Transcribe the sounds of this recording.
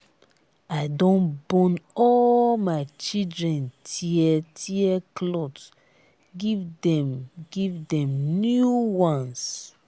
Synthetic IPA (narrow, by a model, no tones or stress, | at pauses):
aɪdõnbɔ̃nɔlmaɪt͡ʃidɹɛ̃ntʰiɛtʰiɛklɔt | ɡivdɛ̃mɡivdɛ̃mnjuwãns